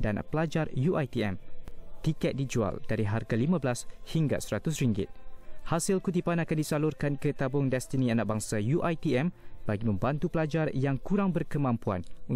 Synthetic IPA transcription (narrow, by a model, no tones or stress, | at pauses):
danpəlad͡ʒarjuʔajt̪iɛ̰mt̪ikɛt̪̚did͡ʒua̰ldaɾiɦarɡalimãbəlashiŋɡa̰səɾat̪ʊs̬ɾiŋɡɪ̰t̪̚hasɪlkut̪ipanakandisalurkankət̪abʊŋdɛst̪ənĩanak̚baŋsajuʔajt̪iɛmbaɡimə̃mbant̪upəlad͡ʒarjaŋkuɾaŋbərkəmãmpua̰nu